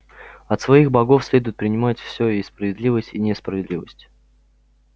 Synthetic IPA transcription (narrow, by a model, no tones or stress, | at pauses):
ɐt̪svɐixbɐɡofsʲlʲed̪ʊjɪt̪̚pɾʲɪnʲɪmatʲfsʲojejspɾəvʲɪd̪lʲivəsʲtʲinʲɪspɾəvʲɪd̪lʲivəsʲtʲ